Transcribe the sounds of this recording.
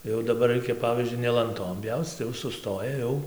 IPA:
ˈjɛʊ dɐˈbɐr ˈrɐɪkʲɛ ˈpɑːʋʲiːzʲd͡ʒʲʊɪ nʲɛ lˠɐnˈtoːm ˈpʲjɛʊt͡s tɐɪ ˈjɛʊ sʊˈstoːjɛ ˈjɛʊ

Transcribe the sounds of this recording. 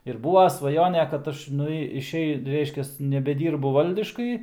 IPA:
ɪr ˈbuːʋɐ sʋɐˈjoːnʲɛ kɐt ˈɐʃ ˈnʊ ɪʃʲˈɛɪ ˈrʲɛɪʃʲkʲɛs nʲɛbʲɛˈdʲiːrbʊ ˈʋɐlʲdʲɪʃkɐɪ

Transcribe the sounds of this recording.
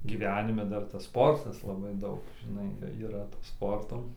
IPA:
ɡʲiːˈʋʲæːnʲɪmʲɛ ˈdɐr tɐs ˈspoːrtɐs lˠɐˈbɐɪ ˈdɐʊk ʒʲɪˈnɐɪ iːˈrɐ toː ˈspoːrtoː

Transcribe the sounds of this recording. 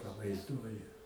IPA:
pɐʋɐɪzˈduɔjʊ

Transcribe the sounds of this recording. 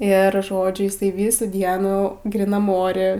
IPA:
ɪr ˈʒoːd͡ʒʲʊ ˈjɪsɐɪ ˈʋʲiːsuː ˈdʲiɛnuː ɡrʲiːˈnɐm ˈoːrʲɛ

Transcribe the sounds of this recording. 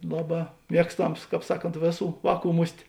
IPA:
ˈlˠɑːˌbɑː ˈmʲiɛkstɐms ˈkɑːp ˈsɑːˌkoːnt ˈʋʲeːˌsuː ˈʋɑːˌkuː ˈmʊsʲtʲ

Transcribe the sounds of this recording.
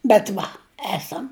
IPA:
bʲɛt ˈʋɐ ˈæːsɐm

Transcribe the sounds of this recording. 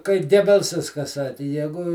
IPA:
kɐɪ ˈɡʲæːbʲɛlˠsɐs kɐ ˈsɑːkʲɪ ˈjæːɡʊ

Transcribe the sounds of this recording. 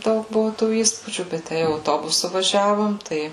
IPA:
ˈdɐʊk ˈbʊʋʊ tuː ˈiːspuːd͡ʒʲuː bʲɛt ˈtʲæ jɛʊ ɐʊˈtoːbʊsʊ ʋɐˈʒʲæːʋoːm ˈtɐɪ

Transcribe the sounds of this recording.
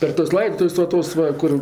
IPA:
pʲɛr tuɔs ˈlˠɐɪptʊs ʋɐ ˈtoːs ʋɐ ˈkʊr

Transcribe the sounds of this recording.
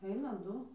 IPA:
ˈɛɪnɐ ˈdʊ

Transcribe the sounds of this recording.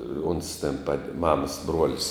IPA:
oːns tʲɛn pɐtʲ ˈmɑːmɐs ˈbruɔlʲɪs

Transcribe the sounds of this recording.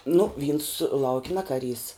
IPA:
nʊ ˈʋʲiːns ˈlˠɐʊkʲ ˈnʲɛ kɐˈrʲiːs

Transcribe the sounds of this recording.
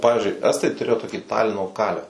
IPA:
oː ˈpɑːʋʲɪzʲd͡ʒʲʊɪ ˈæːstɐɪ tʊˈrʲeːjoː toːˈkʲiː ˈtɑːlʲɪnoː kɐlʲɛw

